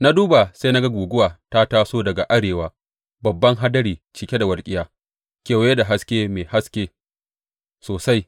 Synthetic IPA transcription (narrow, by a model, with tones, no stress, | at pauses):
na˦duː˦ba˨sa˦na˦ɡa˦ɡʷuː˨ɡʷʊ˦waː˨ta˦taː˦soː˦dɐ˨ɡa˨ʔa˦ɽeː˨waː˦ | bɐ˨bːɐ˦ŋɦa˦dɐ˦ɽiː˨t͡ʃi˨kʲe˦da˨wɐ˨lkʲʼɪ˦jaː˦ | kʲeː˨wje˦da˨ɦa˦skʲeː˦meː˨ha˦skʲeː˦ | soː˨sa˦j